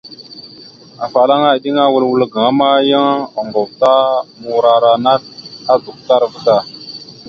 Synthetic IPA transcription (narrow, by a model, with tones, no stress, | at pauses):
a˨fa˨la˦ŋa˦˨ɗi˦ŋa˦wu˦˨lwu˦lɡã˨˦ma˦ja˦ŋ˦a˨ŋɡo˨vta˦mu˨ɾa˨ɾa˨na˦t̚a˦du˨k̚ta˦ɾvə˦ta˦˨